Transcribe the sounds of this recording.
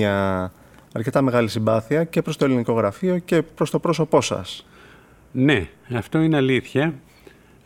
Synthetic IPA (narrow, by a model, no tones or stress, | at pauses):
ɐ | ɐɾce̞t̪ɐme̞ɣɐlisimbɐθiɐce̞pɾost̪o̞eliniko̞ɣɾɐfio̞ce̞pɾo̞st̪o̞pɾo̞so̞po̞sɐ̰s | ne̞ɐft̪o̞ineɐliθçɐ